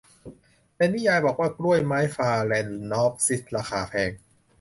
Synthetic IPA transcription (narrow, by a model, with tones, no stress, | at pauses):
pɛe˧niː˦˥˨jaː˧jbɔː˨˩k̚waː˥˩kɾu˥˩əjmaː˦˥jfaː˧lɛː˧nːɔː˦˥p̚si˨˦˩t̪̚ɾaː˧xaː˩˦pʰɛː˧ŋ